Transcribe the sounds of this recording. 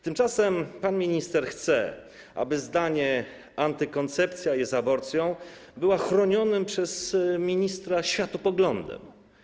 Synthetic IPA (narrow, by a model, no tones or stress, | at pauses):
t̪ɘmt͡ʂasɛmpanmʲiɲist̪ɛɾxt̪sɛ̰ | ʔa̰bɘzd̪aɲɛ | ant̪ɘkɔnt̪sɛpt̪sʲjajɛzabɔɾt̪sʲjɔ̃w̃bɘwaxɾɔɲɔnɘmpʂɛzmʲiɲist̪ɾaɕfʲjat̪ɔpɔɡlɔnd̪ɛ̰m